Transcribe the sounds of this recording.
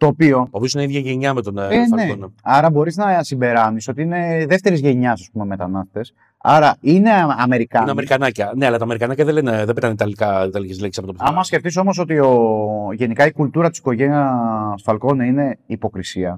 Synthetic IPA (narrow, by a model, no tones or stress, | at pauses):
t̪o̞ːpio̞opiosineiðjɐʝeɲɐmet̪oneneonɐɐɾɐbo̞ɾiznɐsimbe̞ɾɐniso̞t̪iine̞ðe̞ft̪e̞ɾizʝe̞ɲɐsɐspume̞me̞t̪ɐnɐst̪t̪e̞s | ɐ̰ɾɐine̞ɐme̞ɾikɐnɐmeɾikɐnɐcɐne̞ɐlɐt̪ɐme̞ɾikanɐcɐðeleneðebet̪aneit̪ɐlikɐt̪ɐlicizlesɐpot̪opɐmɐsce̞ft̪iso̞mo̞s̬o̞t̪io̞ʝe̞nikɐikult̪uɾɐt̪i̥si̥ko̞ʝe̞niɐsfɐlko̞neine̞ipo̞kɾisiɐ